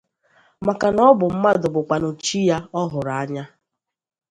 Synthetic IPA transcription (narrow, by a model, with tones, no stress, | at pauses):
ma˨ka˨nɔ˦bʊ˨m̩˦ma˦dʊ˨bʊ˨k͡pa˨nʊ˨t͡ʃi˦ja˦ɔ˦ɦʊ˨ɾa˨a˦ɲa˦